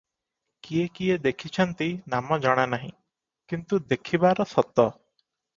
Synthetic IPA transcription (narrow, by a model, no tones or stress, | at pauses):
kiekied̪ekʰit͡ʃʰɔnt̪inamɔd͡ʒɔɽ̃anaɦḭ̃ | kint̪ud̪ekʰibaɾɔsɔt̪ɔ